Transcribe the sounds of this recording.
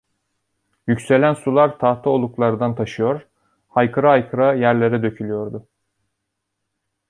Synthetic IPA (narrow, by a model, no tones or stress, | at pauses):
jycse̞lʲænsulˠaɾt̪ʰaht̪ʰao̞lˠuklˠaɾɯd̪ant̪ʰaʃɯjo̞ɾ̥ | hajkʰɯɾaajkʰɯɾajæɾlʲe̞ɾɛd̪ø̞cʰylʲyjo̞ɾd̪ʊ